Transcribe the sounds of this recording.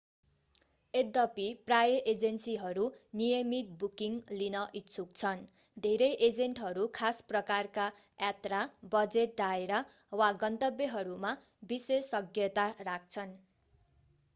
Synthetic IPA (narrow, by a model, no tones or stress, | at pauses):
ed̪ːʌpiprajʌʔed͡zensiɦʌɾunijʌmit̪̚bukiŋlinʌʔitt͡sʰuk̚t͡sʰʌn | d̪ʱeɾʌjʔed͡zeɳʈɦʌɾukʰasprʌkarka | jat̪rabʌd͡zeʈ̚d̪aeɾʌ | waɡʌnt̪ʌbjʌɦʌɾuma | bisesːʌɡjʌt̪arak̚t͡sʰʌn